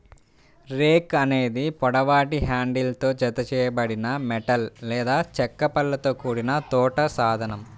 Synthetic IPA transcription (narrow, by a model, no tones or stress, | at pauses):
ɾeːkɐne̞ːd̪ipɔɽɐʋaːʈiɦaːɳɖilt̪o̞ːd͡ʒɐt̪ɐt͡ʃɛːjɐbɐɽinɐmɛʈɐllɛːd̪aːt͡ʃɛkːɐpɐlːɐt̪o̞ːkuːɽinɐt̪ɔːʈɐsaːd̪ʱɐnɐm